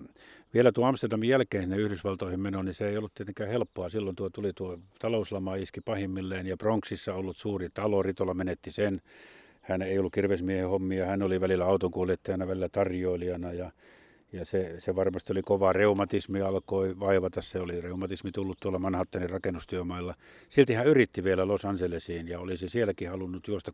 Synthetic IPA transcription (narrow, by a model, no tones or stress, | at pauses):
ʋielæt̪uoɑmst̪erdɑmijjælkeːnsinːeyhɾysʋɑlt̪oˑihimmenoniseeˑijolːut̪t̪iet̪eŋkæːhelpːoɑsilːont̪uot̪ulit̪uot̪ɑlouslɑmɑiskipɑhimːilːeːnjɑproŋksisːɑolːut̪suːrit̪ɑlorit̪olːɑmenet̪ːisen | hæneˑijolːukirʋesmiehehomːiɑhænoliʋælilːæɑut̪oŋkuoliet̪ːɑjɑnɑʋælilæt̪ɑrjoiliɑnɑjɑ | jɑseseʋɑrmɑst̪iolikoʋɑreumɑt̪ismiɑlkoiʋɑˑiʋɑt̪ɑsseolireumɑt̪ismit̪ulːut̪t̪uolːɑmɑnhɑt̪ːɑˑnirɑkenːust̪yømɑˑilːɑ | silt̪ihæyrit̪ːiʋielælosɑnselesiːnjɑolisisielækihɑlunːut̪juost̪ɑ